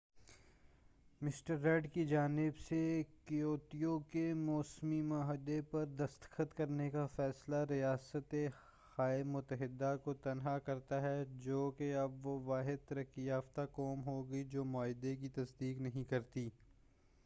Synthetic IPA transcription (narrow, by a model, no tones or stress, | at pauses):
mɪsʈəɾːɛːɖkid͡ʒaːnɪbsekɪjoːt̪ijokemɔːsmimaːɦɪd̪epɐɾd̪ɐst̪xət̪kɐɾnekafɛːslaɾijaːsət̪e | xaːemʊt̪əɦɪd̪ːakot̪ɐnɦakɐɾt̪aɦɛd͡ʒoːkeɐbʋoʋaːɦɪd̪̚t̪ɐɾəkːijaːft̪akɔːmɦoɡɐid͡ʒoːmʊaːɦɪd̪ek̬it̪ɐsd̪iːknɐɦĩkɐɾt̪iː